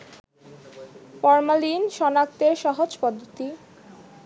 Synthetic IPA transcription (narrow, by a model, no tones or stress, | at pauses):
fɔɾmalinʃɔnak̚t̪eɾʃaɦod͡ʑpɔd̪ʱːot̪i